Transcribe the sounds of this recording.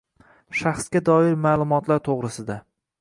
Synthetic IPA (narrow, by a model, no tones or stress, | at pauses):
ʃaχsɡʲad̪ɒɪɾmaːlˠʊmɒt̪laɾt̪ʰoʁɾɪsɪd̪a